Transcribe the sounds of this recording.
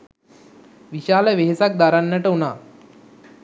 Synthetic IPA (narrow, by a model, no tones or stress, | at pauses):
ʋiɕaːləʋeɦesak̚d̪aɾanːəʈəunaː